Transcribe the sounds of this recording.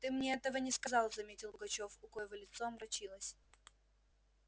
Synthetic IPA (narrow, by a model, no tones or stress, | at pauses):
t̪ɨmnʲeɛt̪əvənʲɪskɐzɑlˠzɐmʲetʲɪlˠbɡɐt͡ɕo̞fʊkojɪvolʲɪt̪soɐmɾɐt͡ɕilˠəsʲ